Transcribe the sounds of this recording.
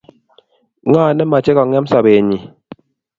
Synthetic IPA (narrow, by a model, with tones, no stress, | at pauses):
ŋaː˦˨nɛ˦ma˨t͡ʃe˦kɔ˨ŋɛ˦m̩˦sɔ˨be˨ɲi˨